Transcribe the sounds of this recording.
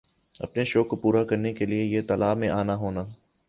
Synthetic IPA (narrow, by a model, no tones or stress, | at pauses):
ɐ̰pneʃoːkopuːɾakɐɾnekeliejet̪ɐlaːmẽʔaːnaɦoːnaː